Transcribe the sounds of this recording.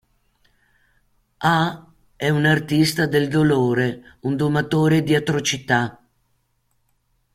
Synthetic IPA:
a | ɛunart̪ist̪ad̪eld̪oloːɾeund̪omat̪oːɾed̪iat̪ɾot͡ʃit̪a

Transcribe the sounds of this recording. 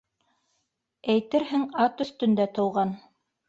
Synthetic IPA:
æjt̪ɘɾɦɘŋɑt̪ɵ̆θt̪ɵ̆nd̪æt̪ɤ̆wʁɑn

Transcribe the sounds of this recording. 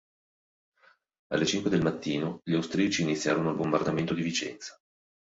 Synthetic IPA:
a̰lːet͡ʃiŋkwed̪elmat̪ːiːnoʎiawst̪ɾiat͡ʃiːnit̪sːjaːɾonoalbombard̪ament̪od̪ivit͡ʃɛ̰nt̪sḁ

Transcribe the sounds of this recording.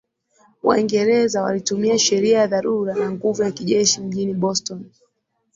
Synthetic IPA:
wa̰iŋɡɛɾɛzawa̰litumiaʃɛɾiajaðaɾuɾanaŋɡuvujakiʄɛʃim̩ʄiniɓɔstɔn

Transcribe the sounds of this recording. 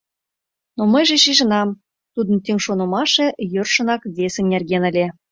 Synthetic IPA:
nomə̆jʒĕʃiʒə̆nɑm | t̪ud̪ə̆nt̪yŋʃonɤ̆mɑʃĕjørʃə̆nɑkβesĕnʲnʲerɣenə̆lʲe

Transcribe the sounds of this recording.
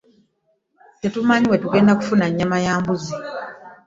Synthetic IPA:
tetumaɲiwe̞tuɡe̞ːndaku̥funaɲːamajaːmbuzi

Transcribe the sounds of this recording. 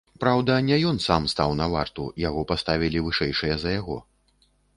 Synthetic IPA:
pɾawd̪ɐnʲɛjɔnsamst̪awnɐva̰rt̪ujaɣɔpast̪avʲilʲivɨʂɛjʂɨjɐzɐjaɣɔ̰

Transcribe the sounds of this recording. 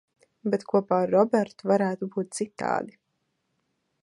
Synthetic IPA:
bɛt̪kʰuɔpaːɾːɔbʲɛɾt̪uvaɾæːt̪ubuːt̪̚t̪sit̪ːa̰ːd̪i

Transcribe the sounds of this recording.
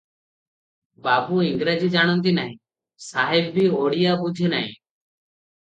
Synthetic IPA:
baːbuːɪŋɡɾad͡ʒiːd͡ʒaːɽ̃ɔ̃nt̪̬inaɦĩː | saːɦɪbːiːoːɽijaːbud͡ʒ̪ʱenaɦḭ̃ː

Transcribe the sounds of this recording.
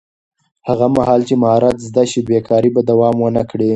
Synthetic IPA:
haɣamahɑlt͡ʃemahɑɾat̪zd̪aʃibekʰɑɾibad̪awɑmwənəkɽi

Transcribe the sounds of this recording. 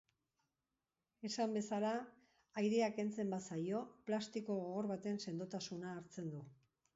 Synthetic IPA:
e̞sambe̞sala | ajɾeake̞nt͡se̞mbasajo̞plast̪iko̞ɣoɣo̞ɾβat̪e̞nse̞nd̪ot̪asunaːɾt͡se̞nd̪u

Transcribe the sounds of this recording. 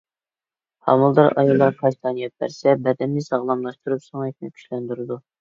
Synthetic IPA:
hɑ̰mulˠd̪ɑɾɑ̰julˠːɑɾkʰɑjt̪ʰɑːnijɛt̪̚bæ̰ɾsɛbɛd̪ɛnːɪsɑʁlˠɑmlˠɑʃt̪uɾupsoŋɛkʲnɪkʲʰy̥ʃlɛnd̪yɾɨd̪u

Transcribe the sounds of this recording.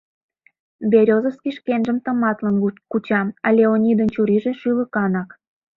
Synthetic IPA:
bʲeɾʲozəskiʃkenʒə̆mt̪ə̆mɑt̪lənkut͡ɕɑmɑlʲeonʲid̪ənt͡ɕuɾiʒĕʃyləkɑnɑk

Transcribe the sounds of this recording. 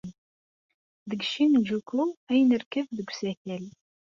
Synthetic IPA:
ðəɡʃimd͡ʒukʰuæjnərkəvðəɡʷsæçæl

